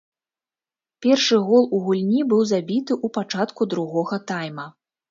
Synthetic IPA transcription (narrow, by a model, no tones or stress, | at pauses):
pʲɛrʂɨɣɔlˠuɣulʲnʲibɨwzabʲit̪ɨʔupat͡ʂat̪kud̪ɾuɣɔɣɐt̪ajmɐ